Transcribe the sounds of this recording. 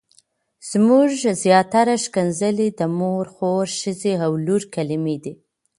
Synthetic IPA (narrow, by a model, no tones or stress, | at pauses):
z̥muʒzjɑt̪aɾaʃkanzəled̪əmoɾxoɾʃəzeawluɾkalɪmed̪i